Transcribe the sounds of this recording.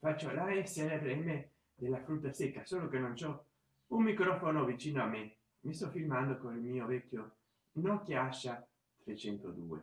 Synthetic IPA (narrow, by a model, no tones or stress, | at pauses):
fat͡ʃːolaɛsːeɾepɾɛme | d̪elːafɾut̪̬ːasɛkːasoːlokenont͡ʃɔ | ummikɾɔfonovit͡ʃiːnoamːe | mist̪ɔfilmand̪okonilmiːovɛkːjo | nɔkjaʃːa | t̪ɾet͡ʃɛnt̪od̪ṵːḛ